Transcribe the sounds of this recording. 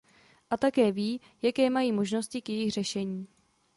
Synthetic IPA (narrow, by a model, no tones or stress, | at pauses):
ʔat̪akɛːviː | jakɛːmajiːmo̞ʒno̞scɪkjɛjɪxr̝ɛʃɛɲiː